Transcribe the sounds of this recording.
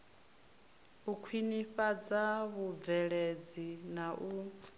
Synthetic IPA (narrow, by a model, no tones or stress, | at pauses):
ukʰwiniɸad͡zaβub̪vɛɺed͡zinaʔu